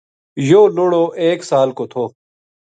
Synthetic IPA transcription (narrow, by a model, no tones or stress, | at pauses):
joːnoːɽoːʔeːksaːlkot̪ʰoː